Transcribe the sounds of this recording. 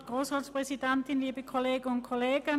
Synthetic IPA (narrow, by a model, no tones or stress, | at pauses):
ɡ̥ʁoːsʁɑːtspʁ̥ɛsidɛntɪnliːbəkʰoleːɡəʊnt̚kʰoleːɡə